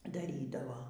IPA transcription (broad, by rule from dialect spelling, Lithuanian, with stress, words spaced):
dɐˈrʲiːdɐʋoː